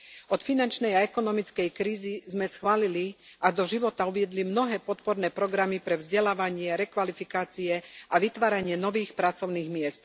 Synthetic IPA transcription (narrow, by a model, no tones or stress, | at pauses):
ɔt̪finant͡ʃnɛjaɛkɔnɔmit͡skɛjkɾiːzizmɛsxʋaːliliʔad̪ɔʒiʋɔt̪auʋɪɛd̪limnɔɦɛːpɔt̪pɔɾnɛːpɾɔɡɾamipɾɛvzɟɛlaːʋaɲɪɛɾɛkʋalifikaːt͡siɛaʋit̪ʋaːɾaɲɪɛnɔʋiːxpɾat͡sɔʊniːɣmɪɛst̪̚